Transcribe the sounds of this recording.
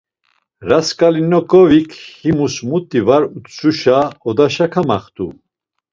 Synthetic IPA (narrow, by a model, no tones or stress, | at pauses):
ɾaskʼalinɔkʼɔvikʰhimusmut̪ʼːivaɾut̪suʃaɔd̪aʃakʰamaχt̪ʰʼṵ